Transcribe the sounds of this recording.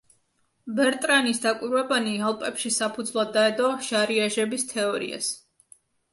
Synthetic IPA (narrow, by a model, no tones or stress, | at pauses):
bɛɾt̪ʼɾanisd̪akʼwiɾwɛbanialˠpʼɛpʃisapʰud̪zvlˠad̪ːaɛd̪ɔʃaɾiaʒɛbist̪ʰɛɔɾḭa̰s